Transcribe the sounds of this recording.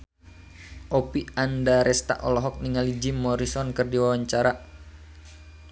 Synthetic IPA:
ʔɔpiandaɾɛst̪a̰ʔɔlɔɦɔk̚niŋalid͡ʒimɔɾisɔnkɨrdiwawaɲt͡ʃaɾa

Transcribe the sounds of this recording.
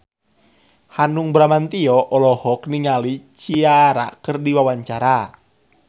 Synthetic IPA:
hanuŋbɾamant̪iɔʔɔlɔhɔkniŋalit͡ʃiaɾa̰ʔkərdiwawaɲt͡ʃaɾa

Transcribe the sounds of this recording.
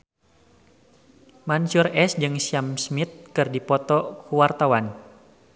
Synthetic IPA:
mansurɛsd͡ʒɨŋsiamsmit̪̚kɨrdipɔt̪ɔkuwart̪awan

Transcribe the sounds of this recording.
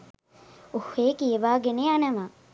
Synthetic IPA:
oheːkijeʋaːɡeneːanəʋa

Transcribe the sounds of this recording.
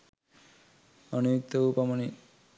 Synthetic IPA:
ɔnujuk̚t̪ɔupamɔni

